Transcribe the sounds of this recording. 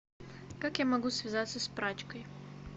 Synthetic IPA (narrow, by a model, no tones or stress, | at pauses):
kakjamɐɡusʲvʲɪzat̪səspɾat͡ɕkəj